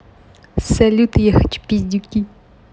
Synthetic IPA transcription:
sɛlʲut̪jɛxɪ̥t͡ʃpʲizʲdʲukʲi

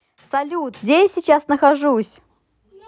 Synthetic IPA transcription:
sɐlʲut̪ɡdʲejasʲɪt͡ɕasnəxɐʐusʲ

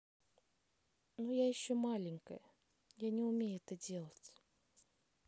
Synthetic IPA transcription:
nujajɪɕːomalʲɪŋʲkə̰jə | janʲɪʊmʲejʊɛt̪ədʲe̞lˠətʲ

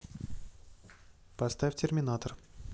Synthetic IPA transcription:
pɐst̪afʲtʲɪrmʲɪnat̪ər

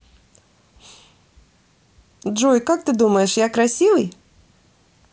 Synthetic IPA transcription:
dʐujkak̚t̪ɨd̪uməjɪʂjakɾɐsʲivɨj

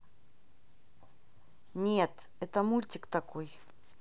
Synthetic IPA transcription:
nʲet̪ | ɛt̪əmulʲtʲɪkt̪ɐkʰoj

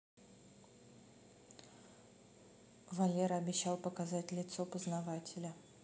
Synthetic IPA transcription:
vɐlʲeɾɐbʲɪɕːalˠpəkazatʲlʲɪt̪sopəznɐvatʲɪlʲə

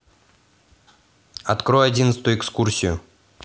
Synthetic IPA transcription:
ɐ̰t̪kɾojɐdʲinət̪st̪ʊjʊɛkskursʲɪjʊ

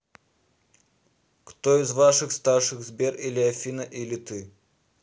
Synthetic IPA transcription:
kt̪oizvaʂɨxst̪arʂɨxzbʲerilʲɪɐfʲinɐʔilʲɪt̪ɨ

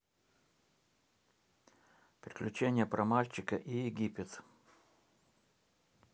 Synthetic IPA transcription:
pɾʲɪklʲʉt͡ɕenʲɪjəpɾʔɐmalʲt͡ɕɪkəʔijɪɡʲipʲɪt̪

